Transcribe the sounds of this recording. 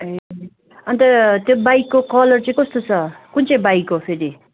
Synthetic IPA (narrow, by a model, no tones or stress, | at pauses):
e | ʌnt̪ʌt̪jobajikːokʌlʌrt͡sʌĩkʌst̪ot͡sʰʌkunt͡sʌĩbajkːopʰeɾi